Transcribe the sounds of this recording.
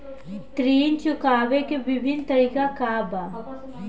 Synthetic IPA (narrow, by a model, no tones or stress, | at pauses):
t̪ɾiːnt͡ʃʊkaːʋekeʋɪbʱɪnt̪ɐɾiːkakabaː